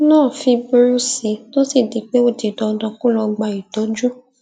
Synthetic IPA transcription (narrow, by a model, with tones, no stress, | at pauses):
nãː˦˨fi˧bu˧ɾu˦si˨˦to˦si˦˨di˨˧k͡pe˦o˦˨ti˨dɔ˧dɔ̃˧ku˦lɔ˧ɡ͡ba˧i˨dɔ˨˦d͡ʒu˦